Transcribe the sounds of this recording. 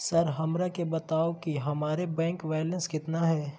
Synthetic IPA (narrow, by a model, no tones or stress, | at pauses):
sɐɾɦɐmɾakebɐt̪aːokiɦɐmaːɾebɛ̃ːŋkʋɛːlə̃nskɪt̪naɦɛː